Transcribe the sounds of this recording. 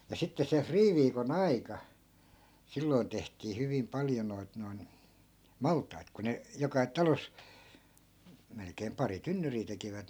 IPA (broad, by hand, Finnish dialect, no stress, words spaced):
jɑ sitːe se friːʋiːkon ɑikɑ silːoi̯n tehtiː hyʋim pɑljo noit noi̯n mɑltˑɑit ku ne jokɑ tɑlos melkeːm pɑri tynːyriː tekiʋæt